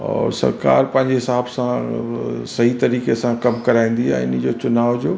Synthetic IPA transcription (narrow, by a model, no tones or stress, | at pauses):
ɔ̰ːɾsɐ̰ɾka̰ːɾpɐ̃ɦɪ̃ɲd͡ʑeɦɪsaːbsã | sɐɦit̪ɐɾiːkesãkɐmkɐɾaːĩːn̆d̪iã̰ɪnd͡ʑoːt͡ɕʊnaːʋd͡ʑoː